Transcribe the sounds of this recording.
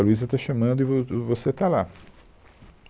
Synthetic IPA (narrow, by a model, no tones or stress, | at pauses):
ɐluizɐt̪aʃɐmɐ̃nd̪ʊɪvovoset̪ala